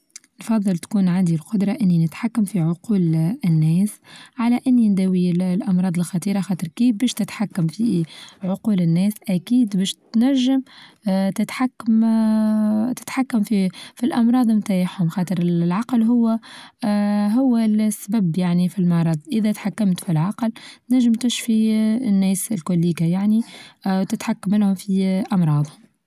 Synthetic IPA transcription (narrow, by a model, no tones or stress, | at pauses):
nfɑðˤːɨlt̪kuːnʕand̪ilqʊd̪ɾˤɑʔɪnːinɪt̪ħakːamfiʕʊquːlɪnːɛːsʕalæʔɪnːind̪æːwilʔɑmɾˤɑːd̪ˤɪlxɑt̪ˤiːɾaxɑːt̪ɨɾˤkiːfbɛːʃt̪ɪt̪ħakːamfiʕʊquːlɪnːɛːsʔækiːd̪bæːʃt̪næʒːɪmt̪ɪt̪ħakːm | t̪ɪ̥t̪ħakːæmfifilʔɑmɾˤɑːd̪ˤmt̪aːħhʊmxɑːt̪əɾlʕɑqlɦʊwːæ | ɦʊwːælsːbæbjaʕnifilmɑɾˤɑðˤʔɪðæt̪ħakːamt̪filʕɑqlt̪næʒːəmt̪ɪʃfinːɛːsɪlkʊlːiːkajaʕnit̪ɪt̪ħakːmːɪnhʊmfiʔɑmɾˤɑːðˤhʊm